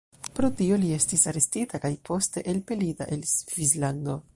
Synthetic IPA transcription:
pɾo̞tio̞lie̞stisaɾe̞stitakajpʰo̞ste̞ʔelpe̞lita̰ʔelsvislando̞

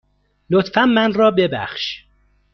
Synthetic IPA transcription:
lot̪fænmænrɒːbe̞bæ̰χʃ

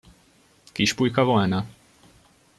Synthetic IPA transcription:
kiʃpujkɒvolnɒ

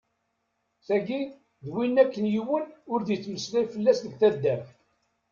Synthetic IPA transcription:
θæɡi | ðwinːækːənjiwənʊɾðjt͡sːməslæjfəlːæsðəɡθæd̪ːæf

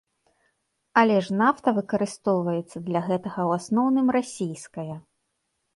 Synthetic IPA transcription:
ɐlʲɛʂnaft̪ɐvɨkɐɾɨst̪ɔwvɐjɛt̪sːɐd̪lʲɐɣɛt̪ɐɣɐwasnɔwnɨmrasʲijskɐjɐ

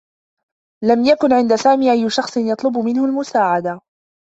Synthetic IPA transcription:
lamjakʊnʕɪnd̪asaːmiːʔajːʊʃɑxsˤɨnjɑt̪ˤlʊbʊmɪnhʊlmʊsaːʕad̪a

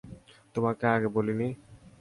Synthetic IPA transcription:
t̪omakeaɡebolini

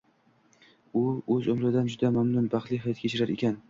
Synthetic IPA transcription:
ʊɵzomɾad̪and͡ʒʊd̪amamnʊnbɑχlˠijɦajt̪̚kʲʰet͡ʃʰɪɾaɾḛkʲʰan

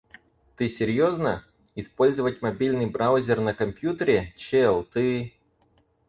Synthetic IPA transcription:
t̪ɨsʲɪɾʲjoznə | ɪspo̞lʲzəvətʲmɐbʲilʲnɨjbɾawʊzʲɪrnəkɐmpʲjut̪əɾʲɪt͡ɕɛlˠt̪ɨ

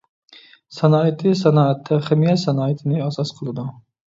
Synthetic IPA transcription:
sɛnɑːit̪ʰɨsɛnɑːɛt̪ʰːɛχɪmijɛsɛnɑːit̪ʰɪnɪɑsɑsqʰəlˠɨd̪u

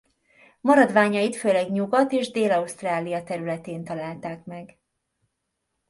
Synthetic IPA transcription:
mɒɾɒd̪vaːɲɒjit̪føːlɛɡɲuɡɒt̪eːʒd̪eːlɒust̪raːlijɒt̪ɛɾylɛt̪eːnt̪ɒlaːlt̪aːkmɛɡ

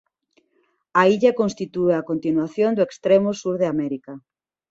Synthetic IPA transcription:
aiʎɐkõnst̪it̪ueakont̪inwaθjond̪ʊekst̪ɾemʊsuɾðeamɛɾikɐ

